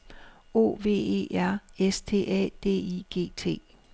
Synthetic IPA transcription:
o̝̰ːʋe̝̰ːe̝̰ːʔæɐ̰est͡sʰe̝̰ːʔɛ̰d̥e̝̰ːiɡ̥e̝̰ːt͡sʰe̝̰ː

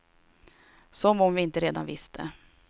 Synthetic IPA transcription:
sɔmɔmvɪɪnt̪əɾeːd̪a̰nvɪst̪ʰə̰

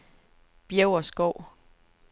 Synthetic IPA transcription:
b̥jeʊɐsɡ̥ɒʊ̰

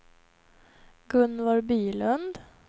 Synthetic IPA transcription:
ɡɵnːʋɑːɾbyːlœnd̪

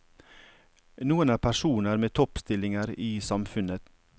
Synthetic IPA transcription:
nuːənæːpʰæʂuːnəɾmeːt̪ʰɔpst̪ɪlɪŋəɾiːsɑmfʉnət̪

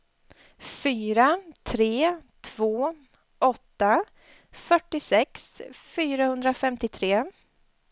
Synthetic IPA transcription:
fyːɾat̪ʰɾeːt̪ʰv̥oː | ʔɔt̪ːa | fœʈːɪsɛksfyːɾahɵnd̪ɾafɛmt̪ɪt̪ʰɾeː

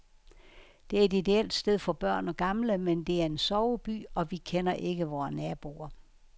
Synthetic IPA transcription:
d̥e̝æɐe̝did̥e̝el̰d̥sd̥eðˠfɒ̽b̥ɶɐ̰nɒ̽ɡ̥ɑ̈mləmend̥e̝æɐe̝nsɒʊb̥y̰ːɒ̽ʋikʰenɐʔe̝ɡ̥əʋɒːnæɐb̥o̝̰ɐ

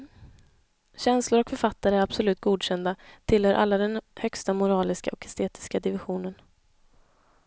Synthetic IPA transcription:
ɕɛnslʊɾɔkfœɾfat̪ːaɾəæɾab̥sɔlʉ̟ːt̪̚ɡuːd̪ɕɛnd̪at̪ʰɪlhœːɾʔa̰lːad̪ɛnhœkst̪amʊɾɑːlɪska̰ʔɔkɛst̪ʰeːt̪ɪ̥skad̪ɪvɪɧuːnən

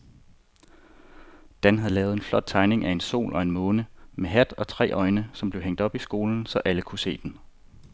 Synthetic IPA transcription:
d̥ænɦæð̩ˠlɛːð̞̩ˠe̝nflɒ̽d̥̚t͡sʰɑ̈ɪne̝ŋʔæe̝nso̝̰ːlʔɒ̽e̝nmɔ̽ːnəmeɦæd̥ɒ̽t͡sʰʁɛ̰ːʔɒ̽ɪnəsɒ̽mb̥leʊeŋ̰d̥ɒ̽b̥isɡ̥o̝ːln̩sɒ̽ʔæləkʰuse̝̰ːd̥en

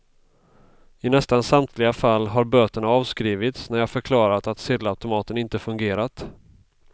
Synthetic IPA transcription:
ɪnɛst̪ansamt̪ʰlɪɡafalːɦaɾbøːt̪əɳaɑːvskɾiːvɪt̪snæɾjɑːfœɾkʰlɑːɾat̪at̪sɪd̪aʉt̪ʊmɑːt̪ənɪnt̪əfɵŋɡeːɾat̪

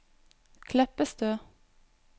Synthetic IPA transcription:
kʰlɛpəst̪øː

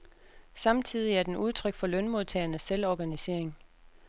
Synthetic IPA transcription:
sɑ̈mt͡sʰið̞̰ˠiæɐd̥enuð̞ˠt͡sʰʁœɡ̥fɒ̽lœnmo̝ð̞ˠt͡sʰɛ̰ːɐnəsːelɒɡ̥ænise̝ɐ̰e̝ŋ

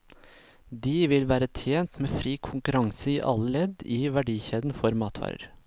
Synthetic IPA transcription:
d̪iːʋɪlʋæːɾət̪ʰjeːnt̪meːfɾiːkʰʊŋkʉɾɑŋsəiːʔɑ̰ləlɛd̪iːʋæɖiːçeːd̪n̩fɔɾmɑːt̪ʰʋɑ̰ːɾə̰ɾ

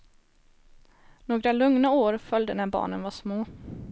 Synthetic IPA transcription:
noːɡɾalɵŋnaoːɾfœld̪ənæbɑ̰ːɳənvaʂmoː

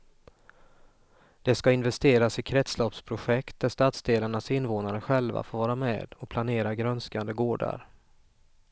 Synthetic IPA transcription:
d̪̥ɛskaɪnvɛst̪eːɾasɪkʰɾɛt̪slɔpspʰɾʊɧɛkt̪̚d̪æʂt̪at̪sd̪eːlaɳasɪnvoːnaɾəɧɛlva̰foːɾvɑːɾamɛ̰ːd̪̥ɔk̚pʰlaneːɾaɡɾœnskand̪əɡoːɖa̰ɾ

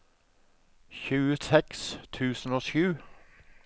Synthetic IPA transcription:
çʉːəsɛkst̪ʰʉːsn̩oːʃʉː

